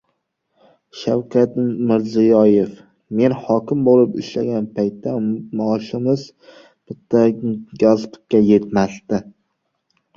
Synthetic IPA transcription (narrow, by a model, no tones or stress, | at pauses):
ʃawkʲʰat̪mɪɾzɪjɒje̞f | me̞nhɒkʲɪmbolɪpɪʃlaɡʲanpʰajt̪ːamaːʃɪmɪz | b̥ɪt̪ʰːaɡʲazqʰɨ̥kʲːaje̞t̪masd̪ɪ